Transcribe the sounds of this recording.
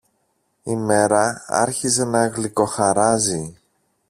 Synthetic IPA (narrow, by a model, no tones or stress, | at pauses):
ime̞ɾɐɐ̰ɾçize̞nɐeɣliko̞xɐɾɐzi